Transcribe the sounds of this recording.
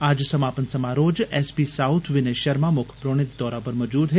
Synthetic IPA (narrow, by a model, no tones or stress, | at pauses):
aːd͡ʒsəmapənsəmaɾoːd͡ʒɛsbisaʊt̪ʰʋɪneʃəɾmãmʊkʰpɾoɽ̃ɪt̪d̪ɔːɾapəɾməd͡ʒuːd̪ɦe